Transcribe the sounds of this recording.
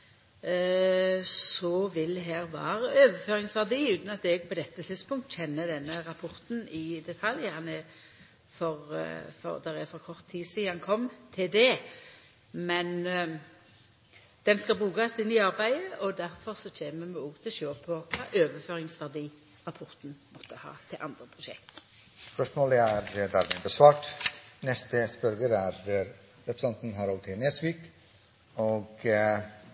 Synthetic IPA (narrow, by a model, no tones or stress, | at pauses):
sɔʋɪld̪ɦæːʁʋɑ̰ːɾəøːʋəføːʁɪŋsʋæʁd̪iːʉːt̪nɑt̪ɛɡ̚pʰɔd̪ɛt̪ːət̪ʰɪd̪spʊŋkt̪çɛnːəd̪ɛnːəɾɑpʰʊɾt̪n̩ɪd̪ɛt̪ʰɑljəhɑnɛ | fɔʁfɔ̰ʁd̪ɛʁɛfɔʁkʰɔʁt̪ʰːiːsiːhɑnkʰɔmːt̪ʰɪld̪ɛ | mɛn | d̪̥ɛnskɑbʁuːɡɑsɪnːɪɑʁbæɪəʔɔd̪æɾfɔʁsɔt͡ʃʰeːməmɛuːɡt̪ʰɪlʃøːpʰɔkʰɑ̰ːʔøːʋəføːɾɪŋsʋæʁd̪iː | ʁɑpʰɔɾt̪n̩mɔt̪ʰːəhɑ̰ːt̪ʰɪlʔɑnd̪ɾəpʰʁʊʃɛ̰k̚t̪ | sspœʂmoːləæɾd̪æɾmɪnb̪əsʋɑːʈnɛst̪əspœɾɡəɾæɾ | ɾɛpɾsɑnt̪n̩ɦɑɾɑlt̪ʰɪnesʋiːk | oɡ